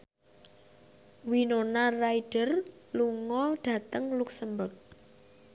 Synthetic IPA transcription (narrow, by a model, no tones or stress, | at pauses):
winonaraiɖ̥ərluŋɔɖ̥ä̤t̪əŋluksəmbʊrk̚